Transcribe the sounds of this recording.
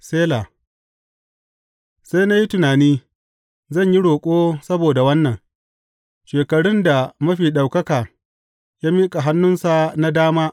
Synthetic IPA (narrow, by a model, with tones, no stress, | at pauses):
seː˦laː˨ | sa˦jna˦ji˦tʊ˨naː˨niː˦ | zɐ˦˨ɲji˦ɽoː˨kʷʼoː˦sɐ˦boː˨da˨wɐ˦nːɐ˨ŋ | ʃeː˨kɐ˨ɽʊ˦nda˨mɐ˦ɸiː˨ɗa˨wkɐ˦kaː˨ | jaː˦miː˦kʼa˨ɦa˦nːʊ˦nsa˨na˦daː˦maː˦ʔ